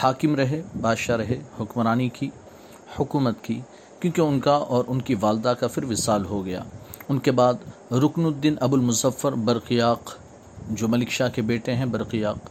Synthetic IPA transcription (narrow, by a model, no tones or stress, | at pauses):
haːkɪmɾɐɦebaːʃaɾɐɦehʊkmɾaːniki | hʊkuːmət̪ki | kjõːkeʊnkaʔɔːɾʔʊnkiʋaːld̪akafɪɾʋɪsaːlɦoɡɐja̰ːʊnkebaːd̪ | ɾʊknʊd̪ːɪnʔɐbʊlmʊzəfːəɾbɐɾqijaːq | d͡ʒoːmɐlɪkʃakebeːʈẽɦɛ̃bɐɾqijaːq